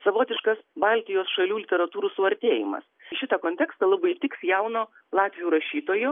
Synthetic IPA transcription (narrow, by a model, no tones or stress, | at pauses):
sɐʋoːt̪ʲɪʃkɐsbɑlʲt̪ʲɪjoːsʃɐlʲuːlʲɪt̪ʲɛɾɐt̪uːɾuːsʊɐɾʲt̪ʲeːjɪ̰mɐ̰sʃʲɪt̪ɐkoːnʲt̪ʲɛːkst̪ɐlˠɐbɐɪt̪ʲɪksjɛʊnoː | lˠɑːt̪ʲʋʲɪjuːɾɐʃʲiːt̪oːjʊ